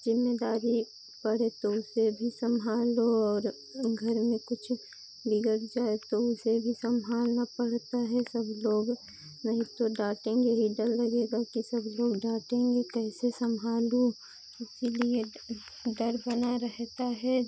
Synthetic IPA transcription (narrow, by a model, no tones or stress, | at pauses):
zɪmːed̪aːɾi | pɐɽet̪oʊsebʱisɐmɦaːloɔːɾ | ɡʱɐɾmẽkʊt͡ʃʰ | bɪɡəɾd͡ʒaːet̪oʊsebʱisɐmɦaːlnapəɽt̪aɦɛsəbloːɡ | nɐɦĩt̪oɖaːʈẽːŋɡeɦiɖəɾlɐɡeːɡakisɐbloːɡɖaːʈẽːŋɡekɛːsesɐmɦaːlu | ʊsilie | ɖɐɾbənaɾəɦt̪aɦɛ